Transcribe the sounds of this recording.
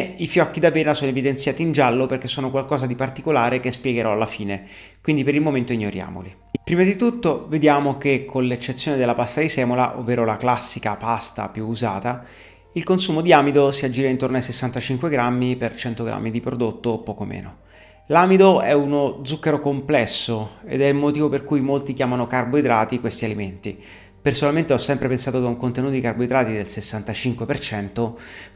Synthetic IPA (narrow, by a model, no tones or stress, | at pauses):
ifjɔkːid̪apeːnasoːnoevid̪ent̪sjaːt̪iːnd͡ʒalːoperk̟esːoːnokwalkɔːzad̪ipart̪ikolaːɾekespjɛɡeɾɔalːafiːne | kwind̪ipeɾilmoment̪oiɲːoɾja̰ːmo̰li | pɾiːmad̪it̪ut̪ːoved̪jaːmok̟ekʰːonlet͡ʃːet̪sːjoːned̪elːapast̪ad̪isɛːmola̰ʔo̰vːeːɾolaklasːikapast̪a̰pjuːza̰ːt̪a | ilkonsuːmod̪iaːmid̪osiad͡ʒːiːɾaint̪ornoajsesːant̪at͡ʃiŋkweɡɾamːipert͡ʃɛnt̪oɡɾa̰mːid̪ipɾod̪ot̪ːoːpːɔːkomḛːno̰ | laːmid̪oɛunod̪zukːeɾokomplɛsːoḛd̪ɛilmot̪iːvoperkujmolt̪ikjaːmanokarboid̪ɾaːt̪ikwest̪ialiment̪i | personalment̪eɔsːɛmpɾepensaːt̪ok̪auŋkont̪enuːt̪od̪ikaɾrboid̪ɾaːt̪id̪elsesːant̪at͡ʃiŋkwepert͡ʃɛnt̪o